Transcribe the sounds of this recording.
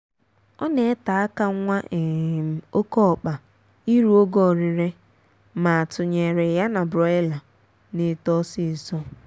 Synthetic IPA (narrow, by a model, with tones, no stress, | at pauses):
ɔ˦ne˨˦ta˨a˦ka˦ŋʷa˦ʔe˨o˦kɔ˦˨k͡pa˨ | i˦ɾu˦o˦ɡɔ˦˨ɾi˨ɾe˦ | ma˨a˨tʊ˨ɲe˨ɾe˨ja˦na˨bɾɔ˨˦e˦la˨ | ne˨tɔ˦si˦˨sɔ˦